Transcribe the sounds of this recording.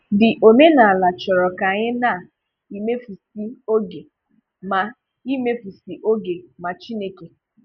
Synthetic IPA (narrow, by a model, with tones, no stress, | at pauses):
dɪ˨ʔo˨me˦na˨a˨la˨t͡ʃɔ˨ɾɔ˨ka˨ɲɪ˦na˦˨ | i˦me˦fu˨si˦o˦ɡe˨ | ma˨ | i˦me˦fu˨si˨ʔo˦ɡe˨ma˨t͡ʃi˦ne˦ke˨